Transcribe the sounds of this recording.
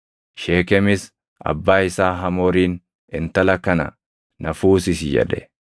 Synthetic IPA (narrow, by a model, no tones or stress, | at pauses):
ʃeːkɛmɪs | ɐ̰bːaːɪsaːɦɐmoːɾiːn | ɪnt̪ɐlɐkɐnɐ̰ | nɐfuːsɪsjɛ̰ᶑɛ